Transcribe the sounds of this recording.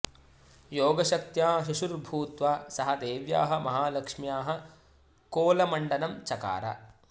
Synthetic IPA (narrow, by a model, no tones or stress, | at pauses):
joːɡɐʃɐk̚t̪jaːɦiʃuɾbʱuːt̪ʋaːsɐɦɐ̆d̪eːʋja̰ːɦɐ̆mɐɦaːlɐkʂmjaːɦɐ̆ | koːlɐmɐɳɖɐnɐmt͡ʃɐka̰ːɾɐ̰